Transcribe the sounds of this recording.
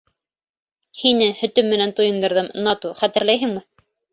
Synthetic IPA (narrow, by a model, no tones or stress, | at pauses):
hinɘhɵ̆t̪ɵmːɘ̆nænt̪ujɤ̆nd̪ɤ̆ɾðɤmnɑt̪uχæt̪ɘ̆ɾlæjɦɘŋmɘ